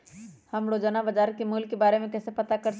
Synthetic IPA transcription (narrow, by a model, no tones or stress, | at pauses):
həmɾoːd͡ʒanabəd͡ʒaːɾkemuːlkebaːɾemẽkɛːsepɐt̪akɐɾ